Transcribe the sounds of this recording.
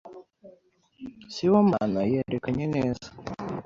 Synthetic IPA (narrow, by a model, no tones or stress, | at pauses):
siwoma̰najeɾekaɲeneːzḁ